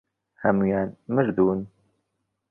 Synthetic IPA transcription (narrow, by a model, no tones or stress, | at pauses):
hɐmujaːnmɨɾd̪uːn